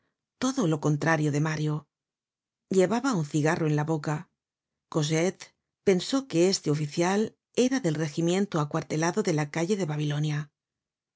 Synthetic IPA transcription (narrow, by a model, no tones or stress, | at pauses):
t̪o̞ðo̞lo̞ko̞nt̪ɾaɾjo̞ðe̞maɾjo̞ | ʎe̞βaβaunθiɣaro̞enlaβo̞ka | ko̞zet̪ | pe̞nso̞ke̞e̞st̪e̞o̞fiθjal | e̞ɾaðe̞lre̞ximjẽ̞nt̪oakwaɾt̪e̞laðo̞ðe̞lakaʝe̞ðe̞βaβ̞ilo̞nja